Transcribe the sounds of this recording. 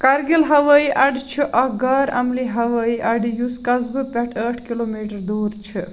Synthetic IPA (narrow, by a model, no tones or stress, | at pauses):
kɐɾɡilɦɐʋɐːiʔɐɖit͡ʃʰiʔɐɡaːɾɐ̰mliɦɐʋɐiʔɐɖijuskɐzbɨpɛʈʰəʈʰkiloːmiːʈɐɾd̪uːɾt͡ʃʰɨ